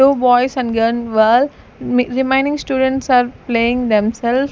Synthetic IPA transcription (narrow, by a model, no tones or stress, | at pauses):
uːbɔɪsɛ̃nɖɡənʋəl | mɾimãɪ̃nɖɪ̃ŋsʈuːɖə̃nʈsaːɾpleɪ̃ŋd̪ɛ̃msɛls